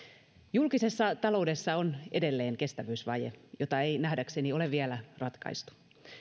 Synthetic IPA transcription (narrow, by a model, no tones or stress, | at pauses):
julkise̞sːɑt̪ɑlo̞ude̞sːɑonḛde̞lːe̞ːŋke̞st̪æʋyːsʋɑjḛjo̞t̪ɑe̞jnæhdæksenio̞le̞ʋʋiælærɑt̪kɑ̰ist̪u̥